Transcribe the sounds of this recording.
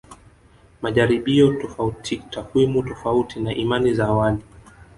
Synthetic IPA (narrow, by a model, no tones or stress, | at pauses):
maʄaɾiɓiɔtɔfautʰitakwimutɔfautinaʔimanizaːwali